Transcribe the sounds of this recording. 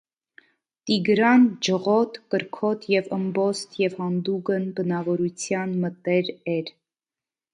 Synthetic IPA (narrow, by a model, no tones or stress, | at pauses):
t̪iɡɾɑnd͡ʒəʁɔt̪kəɾkʰɔt̪ʰjɛvəmbɔst̪ʰjɛvhɑnd̪uɡənbənɑvɔɾut͡sʰjɑnmət̪ɛɾɛɾ